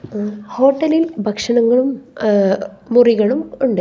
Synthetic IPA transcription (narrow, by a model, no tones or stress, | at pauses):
ho̞ːʈːɐlilbʱɐkʂɐɳɐŋːɐɭum | uriɣɐɭumuɳɖɨ